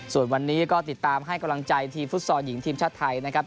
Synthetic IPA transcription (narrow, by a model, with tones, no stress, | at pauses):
su˨˩ənwa˧nːiː˦˥kɔː˥˩t̪i˨˩t̪ːaː˧mɦa˥˩jka˧mla˧ŋt͡ɕa˧jt̪ʰiː˧mfu˦˥t̪̚sɔː˧ji˩˦ŋt̪ʰiː˧mt͡ɕʰaː˥˩t̪ʰːa˧jna˦˥kʰɾa˦˥p̚